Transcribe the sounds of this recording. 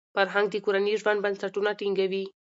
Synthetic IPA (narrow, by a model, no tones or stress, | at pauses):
faɾɦaŋɡ̚d̪əkoɾaniʒwand̪bansaʈunaʈiŋɡawi